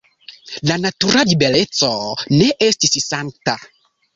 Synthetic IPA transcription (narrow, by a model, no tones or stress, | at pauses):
lanatuɾalibelesɔnɛʔestisisanta